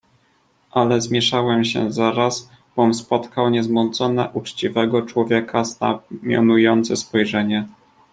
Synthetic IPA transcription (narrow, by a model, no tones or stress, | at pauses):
ʔalɛzmʲjɛʂawɛmɕɛ̰zaɾaz | b̥ɔmspɔt̪kawɲɛzmɔnt̪sɔnɛ̰ʔut͡ʂt͡ɕivɛɡɔt͡ʂwɔvʲjɛkʰazna̰mʲjɔ̰nujɔnt̪sɛspɔjʐɛɲɛ